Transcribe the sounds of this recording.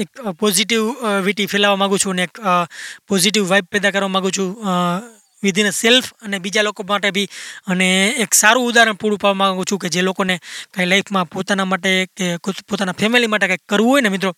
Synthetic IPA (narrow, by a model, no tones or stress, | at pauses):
ekpɔziʈiʋʋiʈipʰelaʋamãɡũt͡ʃʰũəneːkpɔziʈ̬iʋʋajb̚pɛd̪ak̬əɾʋamãɡũt͡ʃʰũ | ʋid̪ʱinəselfʰənebid͡ʒalokomaʈebʱiəneːksaɾũud̪aɾəɳpuɽupaʋamãɡɡũt͡ʃʰũk̬ed͡ʒelokonekailaipʰmãpot̪anamaʈekekopot̪anapʰɛmilimaʈ̬ekajkːəɾʋũɦojnemɪt̪ɾo